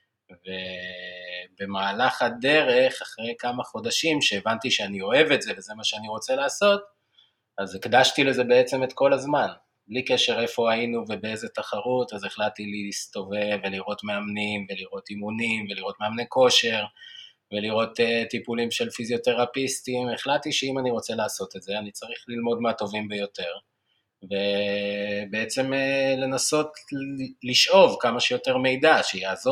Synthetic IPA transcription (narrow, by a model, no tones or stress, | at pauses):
ve̞ | be̞maːlaχad̪e̞ʁe̞χaχʁe̞jkamaχo̞daʃimʃe̞ːvant̪iʃeanio̞e̞vetze̞veze̞maʃeaniʁo̞t͡selaːso̞t | azikdaʃtile̞ze̞be̞et͡se̞me̞t̪ko̞lazman | blikeʃe̞ʁe̞fo̞ainuve̞bee̞zet̪aχaʁutazeχlat̚tilist̪o̞veveliʁo̞t̪meamnimve̞liʁo̞t̪imunimve̞liʁo̞tmeamneko̞ʃe̞ʁ | ve̞liʁo̞t̪etipulimʃe̞lfizjo̞te̞ʁapistime̞χlattːiʃeimaniʁo̞t͡se̞laːso̞t̪etzeanit͡saʁiχlilmo̞dmat̪o̞vimbejo̞te̞ʁ | ve̞ | be̞et͡se̞mele̞naso̞t | liʃʔo̞vkamaʃejo̞te̞ʁme̞jdaʃeiazo